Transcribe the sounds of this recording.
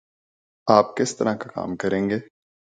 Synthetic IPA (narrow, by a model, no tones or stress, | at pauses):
aːp̚kɪst̪ɐɾakaka̰ːmkɐɾẽːŋɡeː